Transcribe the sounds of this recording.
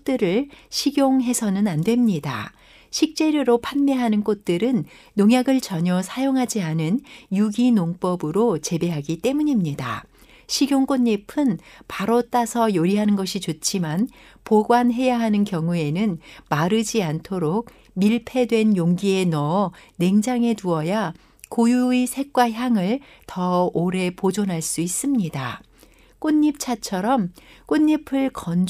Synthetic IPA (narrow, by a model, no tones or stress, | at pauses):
t͈ɯɾɯɭɕʰiɡjoŋɦe̞sʰʌnɯnandwe̞mɲida̰ | ɕʰik̚t͡ɕ͈e̞ɾjoɾopʰanmeɦanɯnk͈ot̚t͈ɯɾɯnː | oŋjaɡɯɭt͡ɕʌɲʌsʰajoŋɦad͡ʑianɯnjuɡinoŋp͈ʌbɯɾot͡ɕe̞be̞ɦaɡit͈e̞muɲimɲida̰ | ɕʰiɡjoŋk͈onːipʰɯnpaɾot͈asʰʌjoɾiɦanɯnɡʌɕʰit͡ɕot͡ɕʰiman | poɡwanɦe̞jaɦanɯnkjʌŋue̞nɯnmaɾɯd͡ʑiantʰoɾok̚ | miɭpʰe̞dwe̞njoŋɡie̞nʌne̞ŋd͡ʑaŋe̞tuʌja | kojuuisʰe̞k̚k͈waçjaŋɯɭ | tʌoɾe̞pod͡ʑonɦaɭs͈uis͈ɯmɲida | k͈oɲːip̚t͡ɕʰat͡ɕʰʌɾʌmk͈oɲːipʰɯɭkʌn